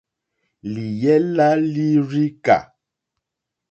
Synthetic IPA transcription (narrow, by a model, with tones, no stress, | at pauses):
li˨jɛ˦la˦li˦ɾi˦ka̰˨